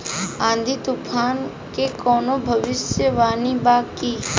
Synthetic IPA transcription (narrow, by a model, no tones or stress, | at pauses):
ãːnd̪ʱit̪ʊpʰaːn | kekɔːnobʱəʋɪsjəʋaːnibaːki